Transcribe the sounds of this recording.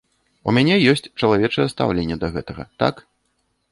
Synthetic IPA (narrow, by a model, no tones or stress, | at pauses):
ṵmʲanʲɛjɔsʲt͡sʲt͡ʂɐlˠavʲɛt͡ʂɐjɛst̪a̰wlʲenʲːɛd̪ɐɣɛt̪ɐɣɐ̰t̪a̰k